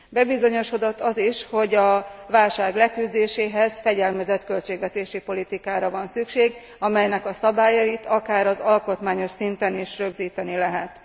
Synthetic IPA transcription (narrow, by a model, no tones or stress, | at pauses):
bɛbizo̞ɲo̞ʃo̞d̪ot̪ːɒziʃho̞ɟɒvaːlʃaːɡlɛkyzd̪eːʃeːɦɛzfɛɟɛlmɛzɛt̪kø̞lt͡ʃeːɡʋɛt̪eːʃipo̞lit̪ikaːɾɒvɒnsykʃeːɡ | ɒmɛjnɛkɒsɒbaːjɒit̪ʰɒkaːɾɒzɒlko̞t̪maːɲo̞ʃsint̪ɛniʃrø̞ɡziːt̪ɛnilɛɦɛt̪